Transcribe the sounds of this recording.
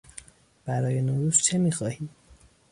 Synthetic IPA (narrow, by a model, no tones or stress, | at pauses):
b̥æɾɒːje̞noɾuːzt͡ʃʰe̞miːxɒːhiːd̪̥